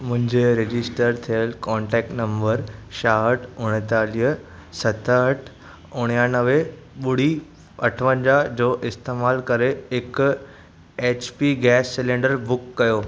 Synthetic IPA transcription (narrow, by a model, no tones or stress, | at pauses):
mʊ̃ɦɪ̃ɲd͡ʑeɾed͡ʑɪsʈəɾt̪ʰijəlkɔ̃ːɳʈɛːk̚ʈnɐ̃mbəɾʃaːɦəʈʰʊɽ̃ət̪aːliəsɐt̪ʰəʈʰ | ʊɽ̃jãnəʋe | ɓʊɽ̤i | ɐʈʰʋə̃ɲd͡ʑad͡ʑoːʔɪst̪eːmaːlkɐɾeɪk | eːt͡ɕpiɡɛːsːɛlẽːɳɖəɾbʊkːɐjoː